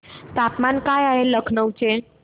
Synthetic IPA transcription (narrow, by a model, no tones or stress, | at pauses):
t̪apmankajaeləkʰnəwt͡ʃʰe